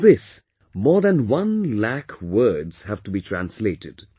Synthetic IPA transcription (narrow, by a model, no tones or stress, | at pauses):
ðɪs | mɔːɹðæ̃nwʌ̃nlækwɜ˞dz̥hævtubitʰɹæ̃nsleɪtɪd̥